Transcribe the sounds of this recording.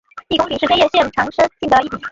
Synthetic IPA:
t̪i˥˩kʊ˥ŋpi˨˩ʂɻ̩˥˩t͡ɕjɛ˥˧ɕjɛ˥˩nʈ͡ʂʰɑ˧˥ŋʂə˥nt͡ɕi˥˧t̪ɑ˥˧ʊi˥˩i˨˩

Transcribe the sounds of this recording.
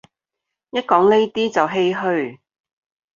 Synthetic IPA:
jɐ˥t̚kɔː˨˥ŋne˥jt̪iː˥t͡sɐ˨wɦe˥jɦɵ˧ɥ

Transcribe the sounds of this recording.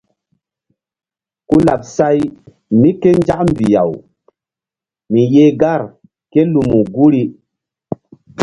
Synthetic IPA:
ku˦la̰˨p̚sa˦j | mi˦ke˦nd͡ʒa˦km˨bi˨ja̰˨w | mi˨je˦ɡa˦˨ɾ | ke˦lu˨mu˨ɡu˦ɾi˦

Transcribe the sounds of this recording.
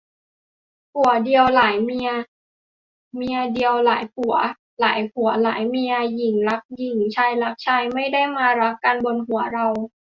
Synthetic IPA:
hu˨˩˦ɐdi˧əwlaː˩˦jmi˧ɐ˧ | mi˧ɐdi˧əwla̰ː˩˦jpʰu˨˩˦ɐ˦ | la̰ː˩˦jkʰu˩˦ɐ˦la̰ː˩˦jmi˧ɐji˨˩ŋla˦˥k̚ji˨˩ŋt͡ɕʰaː˧jla˦˥k̚t͡ɕʰaː˧jma˥˩jda˥˩jmaː˧ɾa˦˥kːa˧nbo˧nɦu˨˩˦ɐɾa˧w

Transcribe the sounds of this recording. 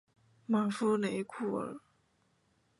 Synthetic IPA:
ma˨˩fu˥le˧˥ɪkʰu˥˩ə̰˨˩

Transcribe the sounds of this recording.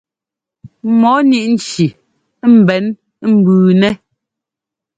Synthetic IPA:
mɔ˨˦ni˦ʔn̩˨t͡ʃi˨˦ | m̩˨bɛ˨˦n˦ | m̩˦˨bʉː˨nɛ˦

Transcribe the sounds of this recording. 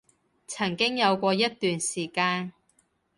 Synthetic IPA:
t͡sʰɐ˨˩ŋkɪ˥ŋjɐ˨˧wkʷɔː˧jɐ˥t̚t̪yː˨nsiː˨˩kaː˧n

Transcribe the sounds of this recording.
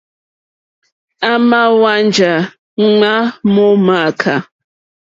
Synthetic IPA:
a˦ma˦wa˦n˨d͡ʒa˨˦ | ŋ͡ma˦mɔ˦ma˨kʰa˨

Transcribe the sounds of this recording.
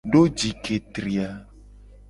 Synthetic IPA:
ɖo˦d͡ʒi˨kʰe˨t̪ɾi˨a˨

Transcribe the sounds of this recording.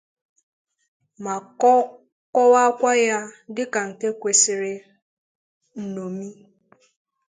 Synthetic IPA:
ma˨˦ | kɔ˦wa˦kʷa˦ja˦dɪ˦ka˨n̩˨ke˦kʷe˨sɪ˨ɾɪ˨ | n̩˨no˨mi˦

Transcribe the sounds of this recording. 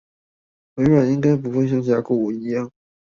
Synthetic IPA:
we˧˥ɪɻwa˨˩ni˥ŋka˥ɪp̬u˧˥xwe˥˧ɪɕ̬jɑ˥˩ŋɕja˧˥ku˥˩u˨˩i˧˥jɑ˥˩ŋ

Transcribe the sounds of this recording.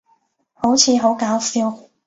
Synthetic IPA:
ho˨˥wt͡sʰiː˨˧ɦo˨˥wkaː˨˥wsiː˥w

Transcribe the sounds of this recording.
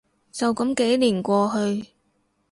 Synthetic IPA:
t͡sɐ˨˩wkɐ˨˥mke˨˥jliː˨˩nkʷɔː˧ɦɵ˧ɥ

